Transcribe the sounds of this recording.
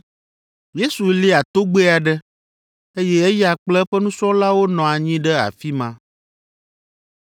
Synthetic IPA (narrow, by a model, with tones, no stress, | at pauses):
je˦su˨li˦a˨t̪o˦ɡ͡be˦a˨ɖɛ˦ | e˦jɛ˦ɛ˦ja˨k͡plɛ˦ɸɛ˦nũ˦sɔ̃˦la˦wo˦nɔ̃˨a˨ɲĩ˦ɖɛ˦a̰˨fi˦mã˦